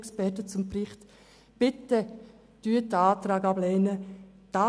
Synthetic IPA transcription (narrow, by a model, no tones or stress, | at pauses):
kspɛtət͡sʊmprɪχt̪ | b̥ɪt̪ə | d̥yːətəaːt̪ɾaːɡɑblɛːnə | d̥a